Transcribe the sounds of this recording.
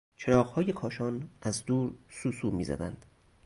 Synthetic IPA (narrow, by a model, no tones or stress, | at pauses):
t͡ʃʰeɾɒːʁhɒːjekʰɒːʃɒːnʔæzd̪uːɾsuːsuːmiːzæ̰d̪æ̰nd̪̥